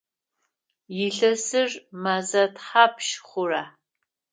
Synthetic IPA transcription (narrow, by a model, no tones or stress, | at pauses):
jɪɬɐsɨrmazɐtħapʰʃχʷʊraː